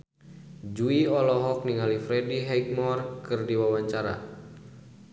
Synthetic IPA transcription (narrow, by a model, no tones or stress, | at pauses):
d͡ʒuiɔlɔɦɔk̚niŋalifɾɛdiɦɛjk̚mɔrkɨrdiwawaɲt͡ʃaɾa̰